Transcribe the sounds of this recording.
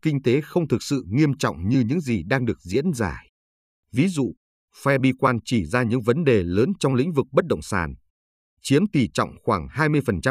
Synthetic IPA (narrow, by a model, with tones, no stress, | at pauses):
kï˧ŋ̟t̪e˨˦xə˧wŋ͡mt̪ʰɨ˨˩k̚sɨ̰˧˨ŋi˧əmt͡ɕɔ̰˧˨wŋ͡mɲɨ˧ɲɨ̰˧˥ŋzi˨˩ɗaː˧ŋɗɨ˨˩ək̚zḭ˧˥ənzaː˧˩ | vi˨˦zṵ˧˨ | fɛ˧ɓi˧kwaː˧nt͡ɕi˧˩zaː˧ɲɨ̰˧˥ŋvə˨˦nɗe˨˩ləː˨˦nt͡ɕɔ˧wŋ͡mlḭ˧˥ŋ̟vɨ˨˩k̚ɓə˦˥t̚ɗə̰˧˨wŋ͡msaː˨˩n | t͡ɕi˨˦əmt̪i˨˩t͡ɕɔ̰˧˨wŋ͡mxwaː˧˩ŋhaː˧jmɨ˧əjfə˨˩nt͡ɕa˧